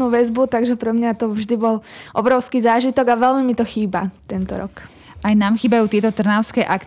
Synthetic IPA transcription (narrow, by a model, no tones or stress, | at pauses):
nuːʋɛzbut̪aɡʒɛpɾɛmɲat̪ɔvʒd̪ibɔlʔɔbɾɔʊskiːzaːʒit̪ɔɡaʋɛlmimit̪ɔxiːba̰t̪ɛnt̪ɔ̰ɾɔ̰k | ʔajnaːmxiːbajuːt̪ɪɛt̪ɔt̪r̩naʊskɛːʔak